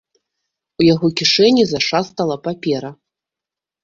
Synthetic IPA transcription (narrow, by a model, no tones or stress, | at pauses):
ujaɣɔkʲiʂɛnʲizaʂast̪ɐlˠɐpapʲɛɾɐ